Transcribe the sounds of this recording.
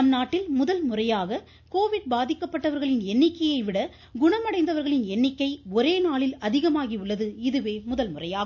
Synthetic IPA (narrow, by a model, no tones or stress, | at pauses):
ɐmnaːʈːɪlmʊðɐlmʊrɐjaːɣɐ | koːʋɪɽ̚baːðɪkːɐpːɐʈːɐʋɐɾɣɐɭɪnɛnːɪkːɐjɐɪʋɪɽɐ | ɡʊɳɐmɐɽɐɪnd̪ɐʋɐɾɣɐɭɪnɛnːɪkːɐɪɔɾeːnaːɭɪlɐðɪɣɐmaːɣiʊɭːɐðɯɪðɯʋeːmʊðɐlmʊrɐjaːɣɐ